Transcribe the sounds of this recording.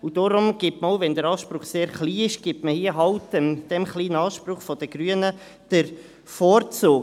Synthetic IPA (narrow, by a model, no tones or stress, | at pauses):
ud̥ɔɾʊmɡ̥ɪtməoʊvɛndəɾɑːʃpɾʊχseːɾχliːɪʃɡ̥ipməhiəɦɑwtɛmd̥ɛmχliːnəɑːʃprʊχfɔd̥əɡ̥ɾyənə | d̥əɾ | fɔːɾt͡sʊː